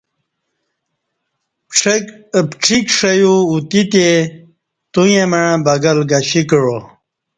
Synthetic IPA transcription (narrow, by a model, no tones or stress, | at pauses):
pʈ͡ʂpʈ͡ʂʰikʂɐjuut̪it̪e | t̪ujẽməɻãbɐɡɐlɡɐɕikəɻo